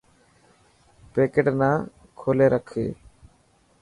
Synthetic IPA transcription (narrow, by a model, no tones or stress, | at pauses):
peːkeʈnaː | kʰoːleːɾʔəkʰḛː